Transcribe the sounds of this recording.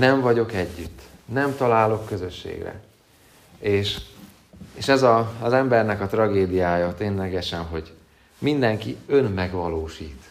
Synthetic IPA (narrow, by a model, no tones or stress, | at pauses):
nɛɱvɒɟo̞kɛɟːyt̪ːnɛmt̪ɒlaːlo̞kːø̞zø̞ʃːḛːɡrɛ̰ | eːʃ | eːʃɛzɒzɛmbɛrnɛkɒt̪rɒɡeːd̪ijaːjɒt̪eːnlɛɡɛʃɛnɦo̞ɟ | mind̪ɛŋkiø̞nmɛɡʋɒloːʃiːt̪